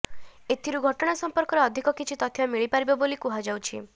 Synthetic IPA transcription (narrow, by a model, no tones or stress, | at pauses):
et̪ʰiɾuɡʱɔʈɔɽ̃asɔmpɔɾkɔɾeɔd̪ʱikɔkit͡ʃʰit̪ɔt̪ʰjamiɭipaɾibɔbolikuɦad͡ʒawt͡ʃʰi